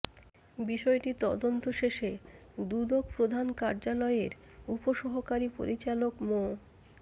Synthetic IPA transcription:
biʃɔeʈit̪ɔ̰d̪ont̪oʃeʃed̪ud̪okpɾod̪ʱankaɾd͡ʑalɔeɾ | upoʃɔɦokaɾipo̰ɾʔit͡ɕalokmo

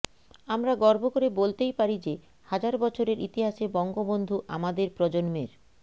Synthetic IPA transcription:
amɾaɡɔɾbokoɾebolt̪ejpaɾid͡ʑe | had͡ʑaɾbɔt͡ɕʰoɾeɾit̪iɦaʃebɔŋɡobond̪ʱuʔa̰mad̪eɾpɾɔd͡ʑonmeɾ

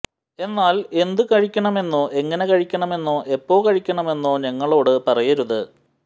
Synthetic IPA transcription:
e̞nːaːle̞nd̪ɨkɐɻikʲːɐɳɐme̞nːoːʔe̞ŋːɐne̞kɐɻikʲːɐɳɐme̞nːoːʔe̞pːo̞ːkɐɻikʲːɐɳɐme̞nːoːɲɐŋːɐɭo̞ːɽɨpɐrɐjɐɾuðɨ

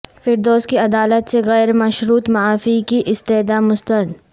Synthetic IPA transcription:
fɪɾd̪oːzkiɐd̪aːlət̪seɣɛːɾmɐʃɾuːt̪mɐaːfikiʔɪst̪eɦd̪amʊst̪əɾd̪

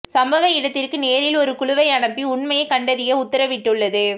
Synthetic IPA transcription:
sɐmbɐʋɐɪɽɐt̪ːɪrkɯneːɾɪlɔɾɯkʊɭʊʋɐɪɐɳɐpːiʊɳmɐjɐkɐɳɖɐðɪjɐʊt̪ːɐɾɐʋɪʈːɯɭːɐðɯ

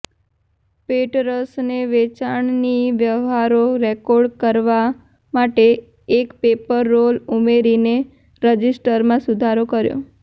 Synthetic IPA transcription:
peʈɾəsneʋet͡ʃaɳniʋjəʋɦaɾoɾɛkɔɖkəɾʋa | maʈeː | kpepəɾːolumeɾine | ɾəd͡ʒisʈəɾmãsud̪ʱaɾokəɾjo̰

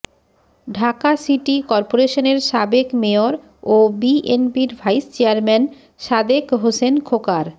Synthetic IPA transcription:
ɖʱakasiʈikɔɾpoɾeʃoneɾʃabekmeoɾ | obiʔenbiɾbʱajst͡ɕeaɾmɛn | ʃad̪ekɦosenkʰokaɾ

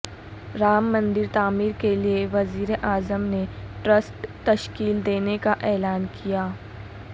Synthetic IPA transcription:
ɾaːmːɐ̃nd̪ɪɾt̪aːmiːɾkelieʋɐziːɾeʔaːzəmneʈɾəsʈt̪ɐʃkiːld̪eːnekaʔɛːlaːnkʰijaː

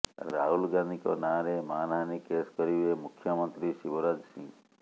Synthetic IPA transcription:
ɾa̰ɦulɡanikonãɾemaːnanikeskəɾiemʊkʰːjəmənt̪ɾiʃiʋoɾad͡ʒsĩ

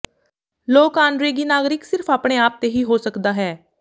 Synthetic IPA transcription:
loːkaːɳɖɾeːɡiːnaːɡɾɪksɪɾpʰaːpɳ̃eːaːp̚t̪eːɦiːɦoːsəkd̪aːɦɛː

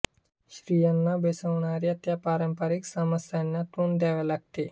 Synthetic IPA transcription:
ʃɾiːjanːabesəʋɳaːɾiɐt̪japaːɾəmpəɾiksaməsjanjat̪und̪jaːʋelɐɡ̚t̪e

